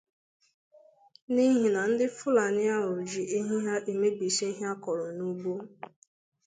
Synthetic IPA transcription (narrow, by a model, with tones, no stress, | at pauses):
ni˦ɦi˨na˨n̩˦dɪ˦fʊ˦la˨nɪ˦a˦ɾʊ˨d͡ʒi˨i˦ɦi˦ɦa˦ʔe˨me˦ɡ͡bi˨se˦i˦ɦa˦kɔ˨ɾɔ˨nu˦bo˦